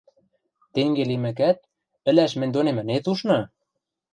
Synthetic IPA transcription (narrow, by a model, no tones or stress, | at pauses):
t̪eŋɡelemɘ̆k̬æt̪̚ | ɘ̆læʃmɘ̆nʲd̪onemɘ̆net̪uʃnɤ̆